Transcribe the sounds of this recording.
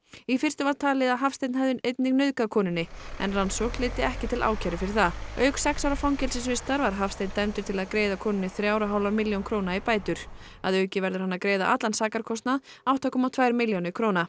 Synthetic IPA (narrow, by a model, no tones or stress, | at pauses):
ifɪr̥st̪ʏvaɾt̪ʰaːlɪðaðɦafst̪ejt̪nhɛvðʏnejt̪̚nɪŋnœðkakʰɔːnɪnːɪɛ̰nransɔklɪːt̪ɪɛhcɪt̪ʰɪlʔa̰ːwcʰaɾɪfɪɾɪɾθaœɥksɛksawɾafawŋcɛlsɪsvɪst̪aɾvaɾ̥ɦafst̪ejt̪nt̪ajmt̪ʏɾ̥t̪ʰɪlaðkɾeːjðakʰɔːnʏnːɪθɾjaːwɾaɦawlaɾmɪljownkʰɾownaipaːjt̪ʏɾ̥ | a̰ðœɥcɪvɛɾðʏɾ̥hanːakɾeːjða̰ʔa̰t̪lansaːkaɾ̥kʰɔst̪nað | awt̪ʰɔkʏmawt̪ʰvaːjɾmɪljownɪkʰɾowna